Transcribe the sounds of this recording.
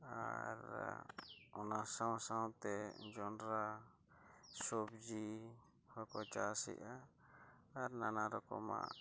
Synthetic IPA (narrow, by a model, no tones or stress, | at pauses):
a̰ɾ | ɔnasaw̃sawt̪ɛd͡ʒɔnɾa | sob̚d͡ʒi | hɔkɔt͡ʃasḭʔaː | ɾnanaɾɔkɔ̰ma̰